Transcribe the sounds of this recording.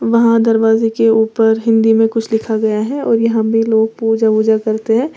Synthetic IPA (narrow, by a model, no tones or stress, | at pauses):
ʋɐɦãd̪ɐɾʋaːzekeuːpəɾɦɪ̃nd̪imẽkʊt͡ʃʰlɪkʰaɡɐjaɦɛɔ̰ːɾjɐɦãbʱiloːɡ̚puːd͡ʒabuːd͡ʒakɐɾt̪eɦɛ̃ː